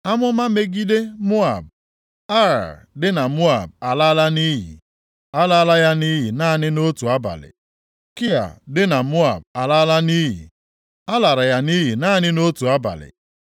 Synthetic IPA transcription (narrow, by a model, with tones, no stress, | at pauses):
a˦mʊ˦ma˦me˦ɡi˦de˦mʊ˦a̰˨b̚ | a˦ɾa̰˨dɪ˦na˨mʊ˦a˨b̚a˨la˦la˦ni˦ɦḭ˨ | a˦la˦la˦ja˦ni˦ɦi˨na˦˨nɪ˦no˦tu˨a˦ba̰˨lɪ̰˨ | kɪ˦a̰˨dɪ˦na˨mʊ˦a˨b̚a˨la˦la˦ni˦ɦḭ˨ | a˦la˨ɾa˨ja˦ni˦ɦi˨na˦˨nɪ˦no˦tu˨a˦ba̰˨lɪ̰˨